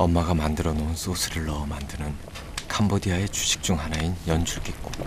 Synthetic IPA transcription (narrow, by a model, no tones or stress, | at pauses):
ʌmːaɡamandɯɾʌnouns͈osʰɯɾɯɭːʌːmandɯnɯn | kʰambodiae̞t͡ɕuɕʰi̥k̚t͡ɕ͈uŋɦanainjʌnd͡ʑʰuɭɡet̚k͈o